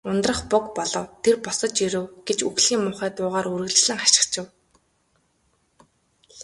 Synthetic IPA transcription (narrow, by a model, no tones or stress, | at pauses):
ʊnt̪rə̆χpʊkpɔɮɞ̆wt̪ʰerpɔsɞ̆t͡ɕiɾɘ̆wɡet͡ɕuxɮxiːŋmʊːχæːt̪ʊːʁaːɾuɾɘ̆ɣɮ̆ɮɘ̆ŋaʃɪ̥̆kt͡ɕɪ̆w